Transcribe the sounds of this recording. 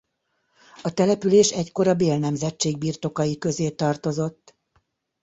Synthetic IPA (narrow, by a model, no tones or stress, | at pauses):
ɒt̪ɛlɛpyleːʃɛcko̞ɾɒbeːlnɛmzɛt͡ʃːeːɡ̚biːrt̪o̞kɒjikø̞zeːt̪ɒrt̪o̞zo̞t̪ː